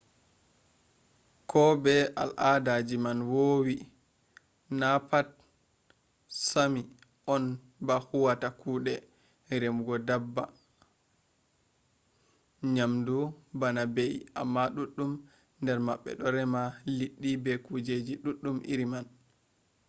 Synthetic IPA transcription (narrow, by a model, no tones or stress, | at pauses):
kɔbɛa̰lʔadad͡ʒimanwowi | napat̚ | sami | ʔɔn | bahuwatakuːɗɛ | ɾemɡɔdabːa̰ | ɲamdubanabejʔa̰mːaɗuɗːum | ndɛɾmaɓːɛ̰ɗɔɾɛmaliɗːibɛkud͡ʒed͡ʒiɗuɗːumʔḭɾiman